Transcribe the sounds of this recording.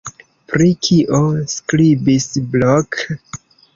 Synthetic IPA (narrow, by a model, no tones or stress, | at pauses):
pɾikʰiʔoskɾibisblok